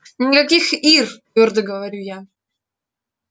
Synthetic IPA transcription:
nʲɪkɐkʲixirt̪vʲord̪əɡəvɐɾʲuja

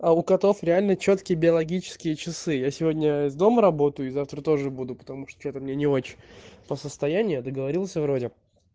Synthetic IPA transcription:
aʊkɐt̪o̞fɾʲɪalʲnət͡ɕo̞t̪kʲɪjəbʲɪɐlˠɐɡʲit͡ɕɪ̥skʲɪjət͡ɕɪsɨjasʲɪvo̞dʲnʲəɪzd̪o̞məɾɐbo̞t̪əjʊɪzaft̪ɾət̪o̞ʐɨbud̪ʊpə̥t̪ɐmuʂt̪o̥t͡ɕet̪əmnʲenʲɪo̞t͡ɕɪnʲpəsəst̪ɐjænʲɪjʊd̪əɡəvɐɾʲilˠsʲəvɾo̞dʲɪ

